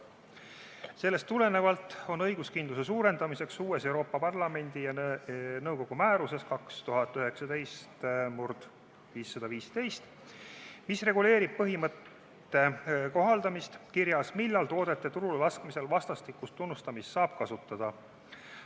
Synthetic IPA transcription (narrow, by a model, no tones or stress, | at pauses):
se̞lːe̞st̪ːule̞ne̞vɑlt̪ˑo̞nɤjɡuskind̪luse̞suːɾe̞nd̪̥ɑmise̞ksuːe̞se̞wɾo̞ːpːˑɑpɑrlɑme̞nʲd̪̥ijɑnɤwko̞ɡ̥umæːɾuse̞skɑkst̪uɦɑt̪ːyɦe̞ksɑd̪e̞jst̪murd̪̥ | viːsːɑd̪ɑviːst̪e̞jst̪ | misre̞ɡule̞ːɾib̥̚pːɤɦimɤt̪ːˑ | e̞ko̞ɦɑld̪ɑmist̪kiɾjɑsmilːɑlt̪o̞ːd̪̥e̞t̪ːˑe̞t̪uɾullɑskmise̞lvɑst̪ɑst̪ikːˑust̪ːunːust̪ɑmist̪sɑːb̥̚kɑsut̪ːˑɑd̪̥ɑ